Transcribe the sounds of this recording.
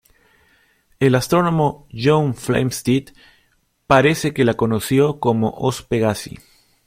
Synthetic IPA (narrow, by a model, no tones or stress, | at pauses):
e̞last̪ɾo̞no̞moʝoɱflḛjmst̪it̪ | paɾe̞se̞ke̞lako̞nosjo̞ko̞mo̰ʔospe̞ɣasḭ